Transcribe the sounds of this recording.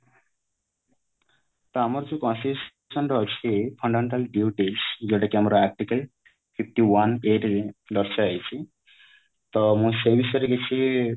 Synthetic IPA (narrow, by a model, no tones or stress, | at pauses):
t̪ɔamɔɾd͡ʒekɔ̃nsis | sɔnɾɔt͡ʃʰipʰɔɳɖamẽɳʈalɖiuʈisd͡ʒeʈakamɾaak̚ʈikal | pʰip̚ʰʈiwaneʈlɔɾt͡ʃaajt͡ʃʰi | t̪ɔmũsebisɔɾeket͡ʃʰi